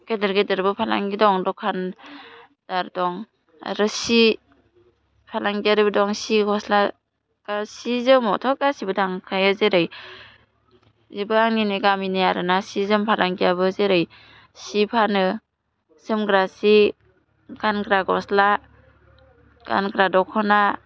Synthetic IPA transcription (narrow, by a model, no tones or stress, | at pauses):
kedɯɾɡedɯɾbɯpʰala̰ŋɡidɔŋdɔkʰan | d̥aɾdɔŋ | a̰ɾɯsi | pʰalaŋɡiaɾɯbɯdɔŋsiɡɔsla | kasizɯmɔtʰɔkasibɯdaŋkʰajazeɾɯj | zibɯaŋniniɡaminajaɾɯnasizɯmpʰalaŋɡijabɯzeɾɯj | sipʰanɯ | zɯmɡɾasi | ɡ̥anɡɾaɡɔ̰sla | ɡ̥a̰nkɾadɔkʰɔna